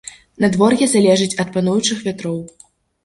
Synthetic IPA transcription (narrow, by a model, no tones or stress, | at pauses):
nɐd̪vɔrɣʲɛzalʲɛʐɨt͡sʲɐt̪̚panujut͡ʂɨxvʲat̪ɾɔw